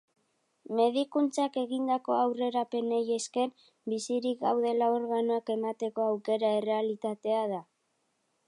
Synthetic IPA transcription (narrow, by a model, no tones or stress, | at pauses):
me̞ðikunt͡sake̞ɣind̪ako̞awre̞ɾape̞neje̞ske̞n | bisiɾikɡawðe̞lao̞ɾɣanoake̞mat̪e̞ko̞awke̞ɾae̞re̞alit̪at̪e̞að̞a